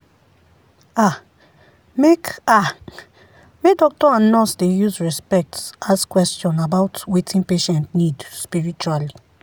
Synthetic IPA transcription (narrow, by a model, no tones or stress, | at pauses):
a | meka | medɔk̚tɔãnːɔsdejuzɹɛspɛk̚taskwɛstɔ̃nabaʊtwetʰĩnpeʃɛ̃ntnidspiɹit͡ʃuali